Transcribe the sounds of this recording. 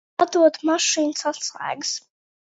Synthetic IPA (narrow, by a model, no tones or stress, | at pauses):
ad̪uɔd̪maʂiːnsasla̰ːɡs